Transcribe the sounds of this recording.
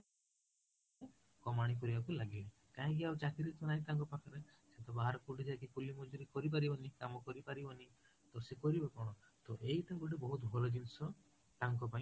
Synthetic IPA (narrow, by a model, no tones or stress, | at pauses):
e | kɔmaɽ̃ik̬ɔɾibakulaɡĩi | kaɦĩkiawt͡ʃakiɾit̪ɔnaĩt̪aŋkɔpakʰɔɾeset̪ɔbaɦaɾɔkuʈid͡ʒakikulimɔd͡ʒuɾikɔɾip̬aɾibɔnikamɔkɔɾipaɾibɔni | t̪osekɔɾibɔkɔɽ̃ɔ | t̪oʔeit̪aɡuʈebɔɦut̪bʱɔlɔd͡ʒinsɔ | t̪aŋkɔpaĩ